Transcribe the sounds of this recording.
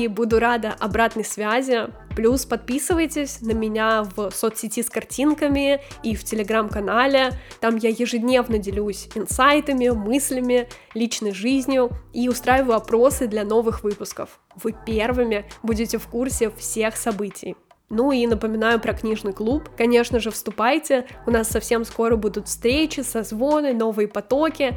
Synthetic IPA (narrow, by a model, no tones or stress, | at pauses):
ibud̪ʊɾad̪əʔɐbɾat̪nɨjsvʲazʲɪ | plʲuspɐt̪̚pʲisɨvəjtʲɪsʲnəmʲɪnʲavsot̪sʲɪtʲiskɐrtʲinkəmʲɪiftʲɪlʲɪɡɾamkɐnalʲɪt̪amjajɪʐɨdʲnʲe̞vnədʲɪlʲusʲɪnsajt̪əmʲɪmɨsʲlʲɪmʲɪ | lʲit͡ɕnəjʐɨzʲnʲjʊiʊst̪ɾajɪvəjʊɐpɾo̞sɨd̪lʲɐno̞vɨxvɨpʊskəf | vɨpʲervɨmʲɪbudʲɪtʲɪfkursʲɪfsʲe̞xsɐbɨtʲɪj | nuinəpəmʲɪnajʊpɾɐknʲiʐnɨjklˠupkɐnʲe̞ʂnəʐɨfst̪ʊpajtʲɪʊnasːɐfsʲe̞msko̞ɾəbud̪ʊt̪fst̪ɾʲet͡ɕɪsɐzvo̞nɨno̞vɨjəpɐt̪o̞kʲɪ